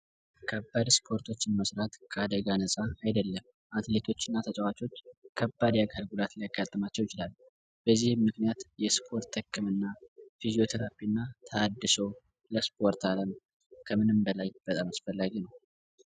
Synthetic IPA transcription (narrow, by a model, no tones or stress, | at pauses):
kʰəbːad̪spʰo̞ɾt̪ʰo̞t͡ʃːɪnməsɾat̪kʰəad̪əɡanəsʼaajd̪əlːəm | ʔat̪le̞t̪ʰo̞t͡ʃːɪnːat̪ʰət͡ʃʼɛwat͡ʃʼo̞t͡ʃːkʰəbːad̪jaɡalɡulat̪lijaɡːat̪ʼːəmat͡ʃːəwjɪt͡ʃɪlal | b̥əzːihmːɨknijat̪jɛspʰo̞ɾt̪ʰːəkʰːɨmɨnːafizijo̞t̪ʰəɾapiɨnːat̪ʰəːd̪ːɨso̞ | ləspʰo̞ɾt̪aləm | kʰəmɨnɨmbəlajb̥ət̪ʼamasfəlːaɡinəw